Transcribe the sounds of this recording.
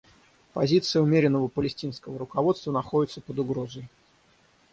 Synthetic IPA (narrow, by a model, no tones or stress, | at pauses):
pɐzʲit̪sɨjəʊmʲeɾʲɪnːəvəpəlʲɪsʲtʲinskəvəɾʊkɐvo̞t̪st̪vənɐxo̞dʲɪt̪səpəd̪ʊɡɾozəj